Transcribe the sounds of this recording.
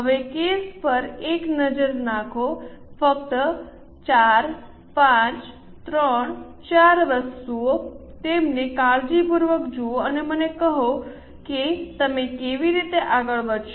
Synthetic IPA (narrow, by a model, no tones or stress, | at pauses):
ɦəʋekespəɾeknəd͡ʒəɾnãkʰofək̚t̪ə | t͡ʃaɾ | pãt͡ʃ | t̪ɾəɳt͡ʃaɾʋəst̪uot̪emnekald͡ʒipuɾʋəkd͡ʒuoənemənekəɦo | ket̪əmekeʋiɾit̪eʔaɡəɭʋədʃ